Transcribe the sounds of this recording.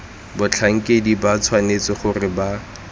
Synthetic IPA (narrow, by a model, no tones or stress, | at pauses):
bʊt͡ɬʰaŋ̩kʼedibat͡sʰwanet͡sɪχʊrɪba